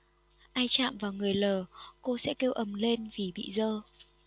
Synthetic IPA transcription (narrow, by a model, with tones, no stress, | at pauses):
ʔaː˧jt͡ɕa̰ː˧˨mvaː˨˩wŋɨ˨˩əjləː˨˩ko˧sɛ̰˧˥ke˧wʔə˨˩mle˧nvi˨˩ɓḭ˧˨zəː˧